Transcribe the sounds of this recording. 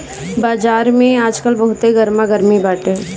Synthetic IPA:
baːd͡ʒaːɾmẽaːd͡ʒkəlbɐɦʊt̪eɡəɾmãɡəɾmibaːʈɦɛ̃ː

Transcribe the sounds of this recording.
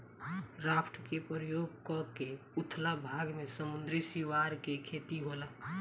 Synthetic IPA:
ɾaːpʈəkepɾəjoːɡ̚kɔke | ʊt̪ʰlabʱaːɡmesəmʊ̃nd̪ɾisiʋaɾkekʰeːt̪iɦolə

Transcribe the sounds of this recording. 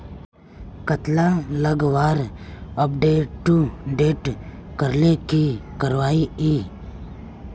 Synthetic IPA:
kət̪laləɡʋaːɾəp̚ɖeːʈːuɖeːʈ | kəɾlekikəɾʋaːiiː

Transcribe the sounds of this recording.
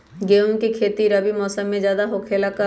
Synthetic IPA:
ɡeːʊŋkekʰeːt̪iɾɐbimɔːsəmːẽd͡ʒjaːd̪aɦokʰeːlakə

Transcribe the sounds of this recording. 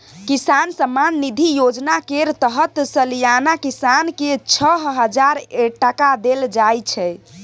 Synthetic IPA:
kisansəmːanːid̪ʱijod͡ʒnakeɾt̪əɦət̪səlijanakisanket͡ʃʰəɦɦəd͡ʒaɾeʈəkad̪eld͡ʒajt͡ʃʰɛ

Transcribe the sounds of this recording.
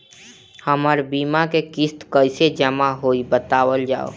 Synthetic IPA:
həməɾbiːmakekɪst̪kəɪsed͡ʒəmaɦoːibət̪aːwəld͡ʒa̰ːo̰

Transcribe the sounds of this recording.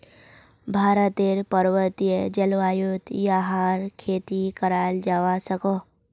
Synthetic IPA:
bʱaːɾət̪eɾpəɾʋət̪ijəd͡ʒəlʋaːjut̪jaɦaːɾkʰeːt̪ikəɾaːld͡ʒaːʋasəko

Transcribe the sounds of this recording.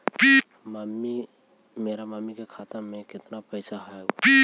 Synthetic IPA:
pi | mamːi | meɾamamːikekʰat̪ameket̪napəjsaɦajpi

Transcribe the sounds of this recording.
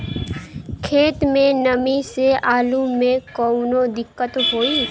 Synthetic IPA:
kʰeːt̪mẽnɐmiseʔaːlumẽkɔːnod̪ɪkːət̪ɦoːiː

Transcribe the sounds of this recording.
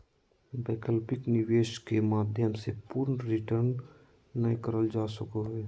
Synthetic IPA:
beːkəlpɪknɪʋeːʃkemaːd̪ʱjəmsepuːɾnɾɪʈəɾnː | əjkəɾəld͡ʒaːsəkoɦɛː

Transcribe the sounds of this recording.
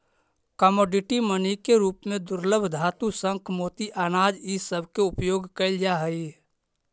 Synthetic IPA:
kəmoːɖɪʈimənikeɾuːpmẽd̪ʊɾləbʱd̪ʱaːt̪usə̃ŋkʰmoːt̪iʔaːnaːd͡ʒisəbʱkeʊpjoːɡkəɪld͡ʒaɦəi

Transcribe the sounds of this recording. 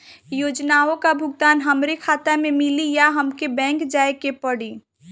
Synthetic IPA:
joːd͡ʒnaːõkabʱʊɡ̚t̪aːnɦɐmɾekʰaːt̪amẽmɪlijaɦɐmkebɛ̃ːŋkd͡ʒaːekepəɽiː

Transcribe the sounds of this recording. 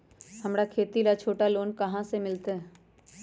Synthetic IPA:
hɐmɾakʰeːt̪ilat͡ʃʰoːʈaloːnkɐɦãsemɪlt̪e

